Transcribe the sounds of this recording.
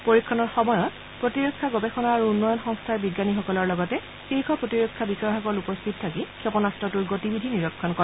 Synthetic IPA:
poɹikʰːɔnɔɹxɔmɔjɔt̚ | pɹotiɹokʰːaɡɔbexɔnaːɹuunːɔjɔnxɔŋstʰaɹbiɡːanixɔkɔlɔɹlɔɡɔtɛ | xiɹkʰɔpɹɔtiɹokʰːabisɔɹɦakɔlupɔstʰit̚tʰakikʰɔpɔnastɔtuɡotibidʱiniɹɔkʰːɔnkɔɛ

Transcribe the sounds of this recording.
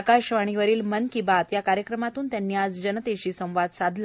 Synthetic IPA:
kaɕʋaɽ̃iʋəɾiːlmənkibat̪jakaɾjəkɾəmat̪uːnt̪janːiːad͡zd͡ʑənət̪eɕiːsə̃w̃ʋad̪sad̪ʱla

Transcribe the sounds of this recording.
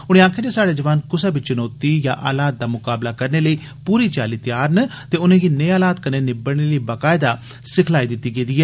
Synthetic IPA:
ʊñẽːaːkʰeːd̪eːsaːɽeːd͡ʒəbaːnkʊsaːbɪt͡ʃʊnoːt̪iːja̰ːʔa̰ːlaːt̪̚d̪aːmʊkaːblaːkəɾneːləiː | puːɾiːt͡ʃa̰ːliːt̪ɪjaːɾnət̪eːʊnẽːɡiːneːaːlaːt̪kəneːnɪbəɽneːləiːbəkaːɪd̪aː | sɪkʰlaːiːd̪ɪt̪ːiːɡeːd̪iːɦɛː

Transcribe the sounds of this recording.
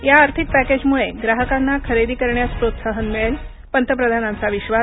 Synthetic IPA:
jaːɾt̪ʰik̚pæked͡ʑmuɭeɡɾaɦəkanːakʰəɾed̪iːkəɾɳjaspɾot̪səɦənmeɭel | pənt̪əpɾəd̪ʱanãnt͡saʋiɕʋa

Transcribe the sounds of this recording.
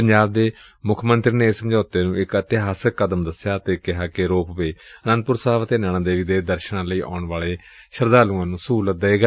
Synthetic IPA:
pəɲd͡ʒaːb̚d̪eː | mʊkʰmənt̪ɾiːneːsəmd͡ʒaːt̪eːnũːɪkət̪ɪɦaːsəkːəd̪əmd̪əsjaːt̪eːkɪɦaːkeːɾoːpʋeːənə̃npʊɾsaːʋət̪eːnaːnãːd̪eːʋiːd̪eːd̪əɾʃəɳãːləiːʔa̰ːɳʋaːleː | ʃəɾd̪aːlũãːnũːsuːlət̪̚d̪əeːɡa

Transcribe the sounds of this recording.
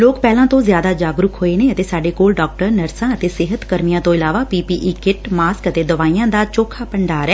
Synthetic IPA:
loːkpɛːlãːt̪õːzjaːd̪aːd͡ʒaːɡɾʊkhoːeːneːət̪eːsaːɖeːkoːlɖaːk̚ʈəɾnəɾsãːət̪eːsɪɦət̪kəɾmɪjãːt̪õːɪlaːʋaːpiːpiːʔiːkɪʈmaːskət̪eːd̪əʋaːijãːd̪aːt͡ʃoːkʰaːpəɳɖaːɾɛː

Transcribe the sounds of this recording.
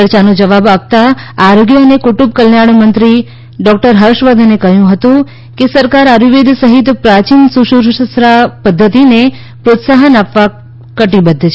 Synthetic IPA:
əɾt͡ʃanũd͡ʒəʋabap̚t̪aaɾoɡjəənekuʈub̚kəljaɽmənt̪ɾi | ɖɔk̚ʈəɾɦəɾʃʋəd̪ʱnekəɦjũɦət̪ũ | kesəɾkaɾaʋiʋed̪ʱsəɦit̪pɾat͡ʃinsuʃuɾəsɾapəd̪ʱːət̪ine | pɾot̪saɦənapʋa | kəʈibəd̪ʱːt͡ʃʰ

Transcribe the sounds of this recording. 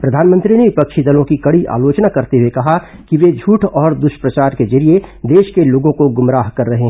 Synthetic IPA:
pɾɐd̪ʱaːnmə̃nt̪ɾineʋɪpəkʃid̪ɐlõkikɐɽiʔa̰ːloːt͡ʃnakɐɾt̪eɦuekɐɦa | kiʋed͡ʒʱuːʈʰɔːɾd̪ʊʃpɾət͡ʃaːɾked͡ʒɐɾied̪eːʃkeloːɡõkoɡʊmɾaːɦkɐɾːɐɦeɦ

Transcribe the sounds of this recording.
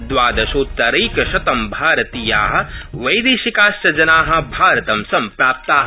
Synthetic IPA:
d̪ʋaːd̪ɐʃoːt̪ːɐɾiːkɐʃɐt̪ɐmbʱaːɾɐt̪iːja̰ːɦɐ̆ʋɐjd̪iːʃikaːst͡ʃɐd͡ʒɐnaːɦɐ̆bʱaːɾɐt̪ɐmsɐmpɾaːp̚t̪aːɦ

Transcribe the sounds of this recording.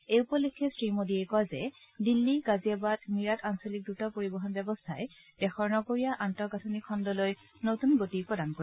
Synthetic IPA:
ejupɔlekʰːɛsɹimodiejkɔwazɛ̰ | dilːiɡaziabatmiɹatʰansolik̚dutɔpoɹibɔɦɔnbɛbɔstʰa̰j | b̥ɛxɔɹnɔɡoɹijaʔantɔkatʰonikʰɔndɔloj | notunɡotipɹɔdanko

